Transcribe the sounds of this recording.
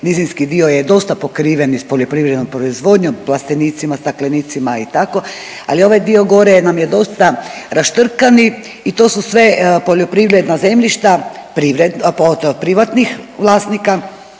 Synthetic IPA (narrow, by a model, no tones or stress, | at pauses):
nizinskid̪iojed̪o̞st̪apo̞kɾiːʋe̞nispo̞ʎo̞pɾiʋɾed̪nompɾoizʋo̞d̪ɲomplˠast̪eniːt̪simast̪akleniːt̪simait̪ako̞ | a̰lio̞ʋajd̪io̞ɡo̞ɾenamjed̪o̞st̪aɾaʃt̪r̩kani | it̪o̞ːsusʋe̞po̞ʎo̞pɾiʋɾed̪naze̞mʎiʃt̪apɾiʋɾed̪nod̪pɾiʋat̪nixʋlˠaːsnika